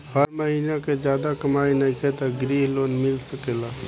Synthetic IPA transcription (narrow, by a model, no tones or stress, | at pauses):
həɾməɦinaked͡ʒjad̪akəmainəjkʰet̪əɡɾiɦlonmilsəkela